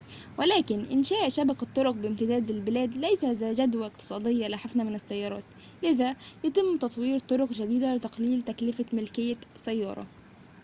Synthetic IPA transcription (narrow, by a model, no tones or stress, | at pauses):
wɪlæːkɪnʔɪnʃæːʔʃabɑqɑt̪ˤːʊɾʊq̚bɪɪmt̪ɪd̪æːd̪ɪlbɪlæːd̪læjsazæːʒæd̪waɪqt̪ɨ̥sˤɑːd̪ɪjːalaħɪfnamɪnɪsːajːɑːɾˤɑ̰ːt̪ | lɪðajat̪ɪmːt̪ɑt̪ˤwiːɾt̪ˤʊɾʊqʒad̪iːd̪alɪt̪ɑqliːlt̪æklɪfamɪlkɪjːasːæjːɑ̰ːɾˤɑ̰